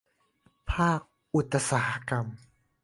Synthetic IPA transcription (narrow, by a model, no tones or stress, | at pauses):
pʰaːq̚ | ut̪asaħkam